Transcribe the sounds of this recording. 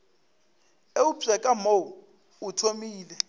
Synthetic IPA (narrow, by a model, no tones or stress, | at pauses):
eubɛkʼamo | utʰomiːlɛ